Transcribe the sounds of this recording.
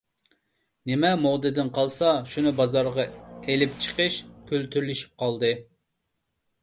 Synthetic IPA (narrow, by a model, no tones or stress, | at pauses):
nɪmɛmod̪ɨd̪ɨnqʰɑlˠsɑʃunɨbɑzɑɾʁɑelɪp̚t͡ʃʰə̥qəʃkʲʰølt̪ʰyɾlyʃi̥p̚qɑlˠd̪ɨ